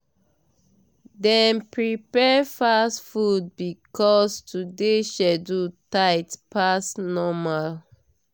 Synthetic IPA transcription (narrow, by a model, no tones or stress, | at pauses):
dɛ̃npɹipɛfastfud̚bikɔstʰudeʃɛdutaɪtpasnɔmal